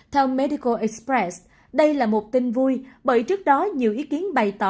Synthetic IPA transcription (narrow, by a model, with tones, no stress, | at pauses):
t̪ʰɛ˧wmɛ˧ɗi˧kə˧ʔɛ˧˥k̚spɹɛ˦s | ɗə˧jlaː˨˩mo˨˩t̚t̪ï˧ŋvu˧jɓəː˧˩jt͡ɕɨ˦˥ək̚ɗɔ˨˦ɲi˨˩əwʔi˨˦ki˨˦ənɓa˨˩jt̪ɔ̰˧˩